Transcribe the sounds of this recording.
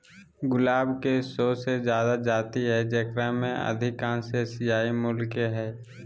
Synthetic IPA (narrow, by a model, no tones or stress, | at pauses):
ɡʊlaːbkesoːsed͡ʒjaːd̪ad͡ʒaːt̪iɦɛd͡ʒəkɾamḛ̃ə̰d̪ʱɪkãːnsesɪjaːimʊlkeɦɛː